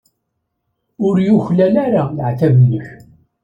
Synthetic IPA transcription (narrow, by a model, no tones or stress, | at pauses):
ʊɾjʊçlælæɾajʕt̪ævənːəç